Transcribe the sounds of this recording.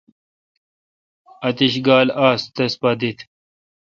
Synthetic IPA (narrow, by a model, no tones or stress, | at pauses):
ɐt̪iɕɡaːlaːst̪ɐspɐd̪it̪ʰ